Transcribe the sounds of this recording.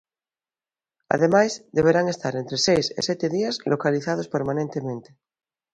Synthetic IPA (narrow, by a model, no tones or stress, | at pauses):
a̰ðemajzd̪eβeɾaŋest̪aɾent̪ɾesejsḛsjɛt̪eðiazlokaliθaðospeɾmãnent̪emẽnt̪e